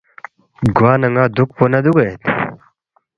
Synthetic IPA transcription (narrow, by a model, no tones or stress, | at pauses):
ɡuwaːnɐŋɡaːd̪uk̚ponɐd̪uɡɐet̪